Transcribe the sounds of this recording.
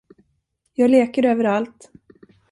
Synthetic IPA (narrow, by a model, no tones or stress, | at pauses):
jɑːɡleːkəɾøːvəɾalt̪